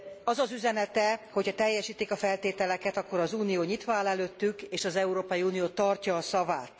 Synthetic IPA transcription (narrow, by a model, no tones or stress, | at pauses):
ɒzɒzyzɛnɛt̪ɛhochɒt̪ɛjːɛʃiːt̪ːikɒfɛlt̪eːt̪ɛlɛkɛt̪ɒkːo̞ɾɒzuːnijoːɲit̪ʋaːlɛløːt̪ːykeːʃɒzɛuɾoːpɒjiuːnijoːt̪ɒrcɒːsɒvaːt̪